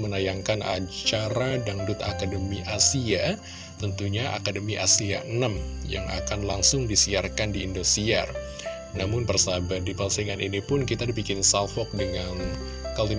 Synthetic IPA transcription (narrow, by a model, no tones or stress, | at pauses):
mənajaŋkana̰ɲt͡ʃaɾadaŋdʊt̪a̰kadəmiʔasia | t̪ənt̪uɲaʔa̰kadəmiʔasiaənamja̰ŋʔa̰kanlaŋsʊŋdisiarkandiːndosia̰r | namʊnbərsabadipansiŋaninipʊnkit̪adipikɪnsalfɔk̚dəŋan | kali